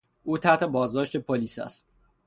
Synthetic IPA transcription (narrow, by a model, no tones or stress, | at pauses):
ʔuːt̪ʰæht̪ʰe̞bɒːzd̪ɒːʃt̪e̞pʰoliːsæ̰st̪̚